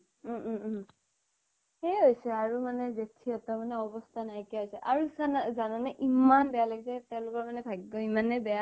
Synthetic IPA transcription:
m | heɦojsɛaɹumanɛzetʰiɔtɔmanɛɔbɔstʰanajkiaɦojsɛʔaɹuzanzananaʔimanbɛjalaɡisɛtɛʊ̃lʊkɔɹmanɛbʱaɡibɔimanɛbɛja

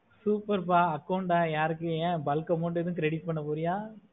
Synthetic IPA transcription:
suːpɐɾpaːɐkːɐʊɳɖaːjaːɾɯkːɯẽːbɐlkːɐmɔɳɖɛðɯkɾɛɽiʈ̚pɐɳːɐpoːɾɪjaː

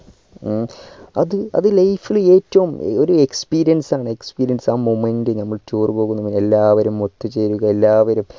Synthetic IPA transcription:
ɐðɨɐ̰ðɨlɐjfile̞ːtːɐʋumo̞ɾuekspiːɾijɐnsaːɳɨekspiːɾijɐnsaːmomendɨnɐmːɐɭt͡ɕoːrpo̞ːɣunːɐʋine̞lːaːʋɐɾumot̪ːut͡ɕe̞jɾuɣɐe̞lːaːʋɐɾum

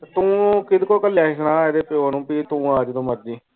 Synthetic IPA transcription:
t̪ːt̪ũːkɪd̪koːkəlɛːʃnãːɛːd̪eːpɪoːnũːpiːt̪ũːaːd͡ʒt̪õːməɾd̪iː

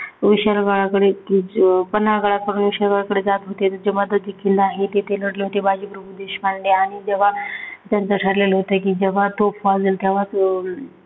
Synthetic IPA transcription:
ʋiɕəɾɡaɭakəɽekipənːaɡaɭakəɾuːnʋiɕəɾɡaɭakəɽed͡zat̪ɦot̪et̪əɾd͡ʑeməd̪ʱət̪̚d͡ʑekʰind̪aɦet̪et̪eləɽleɦot̪ebad͡ʑibəɾbud̪eɕmaɳleaɽ̃id͡ʑɛʋ̤at̪jant͡səʈʰəɾlelɦot̪əkid͡ʑɛʋat̪opʰʋad͡zəlt̪jaʋat

